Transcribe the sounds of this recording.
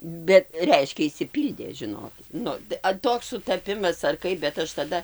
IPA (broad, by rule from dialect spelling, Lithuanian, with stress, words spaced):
ˈbʲɛt ˈrʲɛɪʃʲkʲɛ ɪʃʲsʲɪˈpʲiːlʲdʲeː ˈʒʲɪnoːkʲɪt ˈnʊ tɐ ɐ ˈtoːks sʊtɐˈpʲɪmɐs ɐr ˈkɐɪp bʲɛt ˈɐʃ tɐˈdɐ